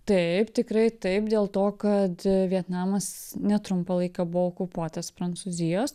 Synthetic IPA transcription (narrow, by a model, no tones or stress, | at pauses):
t̪ɐɪpt̪ʲɪkɾɐɪt̪ɐɪpd̪ʲeːlˠt̪oːkɐt̪ʋʲiɛt̪nɑːmɐsnʲɛt̪ɾʊmpɐlˠɐɪkɐbʊʋookʊpuɔt̪ɐspɾɐnsuzʲɪjoːs